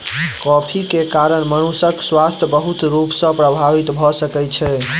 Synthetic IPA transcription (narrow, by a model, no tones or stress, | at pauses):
kɔpʰikekaɾəɽ̃mənusəkswast̪ʰjəbəɦut̪ɾupsə̃pɾəbʱaʋit̪bʱɔsəkɛt͡ʃʰɛ